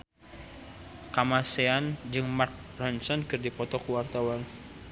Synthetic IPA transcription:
kamaseand͡ʒɨŋmark̚rɔnsɔnkɨrdipɔt̪ɔkuwart̪awan

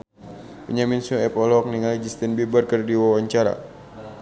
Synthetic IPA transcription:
pəɲaminsoɛpɔlɔk̚niŋalid͡ʒist̪ɛnbibərkərdiwawaɲt͡ʃaɾa̰

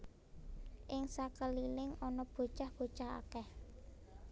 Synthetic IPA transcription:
ʔɪŋsakəlilɪŋɔnɔb̥o̤t͡ʃahb̥o̤t͡ʃaha̰kɛh

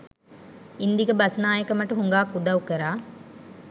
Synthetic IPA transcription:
ind̪iɡəbɐsɐnaːjəkəmɐʈuɦuŋɡaːkud̪awkəɾaː

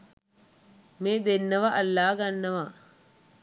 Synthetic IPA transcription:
meːd̪enːɐʋɐʔɐlːaːɡɐnːɐʋɐ

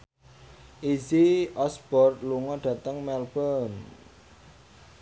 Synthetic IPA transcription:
ʔiziʔɔsb̥ɔrt̪̚luŋɔɖ̥ä̤t̪əŋmɛlb̥ən

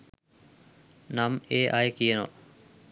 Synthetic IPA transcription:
naːmeːʔaːekiːeno̰ː

